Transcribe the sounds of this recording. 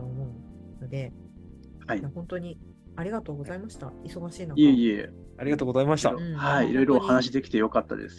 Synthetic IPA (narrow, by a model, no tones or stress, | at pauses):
oːmo̞ɯ̟ | nod̪e̞ | haijahõ̞nt̪o̞ɲ̟i | aɾʲiɣat̪o̞ːɡo̞zaimaɕi̥t̪aiso̞ɡaɕiːnaieie | aɾiɡat̪oːɡo̞zaimaɕi̥t̪a̰ɯ̃haiḭɾo̞iɾo̞hanaɕ̬id̪e̞kʲi̥t̪e̞jo̞kat̪ːa̰d̪ḛsɨ̥